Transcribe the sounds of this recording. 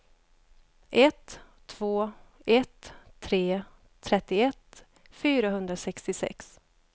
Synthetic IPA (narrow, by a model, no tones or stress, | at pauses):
ʔɛt̪ʰː | v̥oːɛt̪ʰːɾeː | t̪ʰːɾɛt̪ːɪɛt̪ | fyːɾaɦɵnd̪ɾasɛkst̪ɪsɛ̰ks